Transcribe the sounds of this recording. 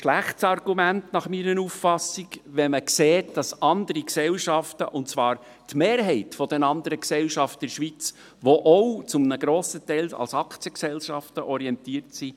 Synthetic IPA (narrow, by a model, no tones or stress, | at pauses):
ʃlæχtsɑrɡ̥umæntnɑχmiɾənuffɑsiɡʋɛməkseːtd̥ɑsɑnd̪əɾiksɛlʃɑftə̰ʔʊntt͡sʋɑːɾ | tmeːɾɦɛɪtfɔd̥ɛnɑnd̪əɾəksɛlʃɑftɪɾʃʋit͡s | ʋoʔɔwt͡sʊmnəɡɾoːsətɛɪlsɑ̰lsɑkt͡sjəksɛlʃɑftəʔɔɾiɛntiːəɾtsi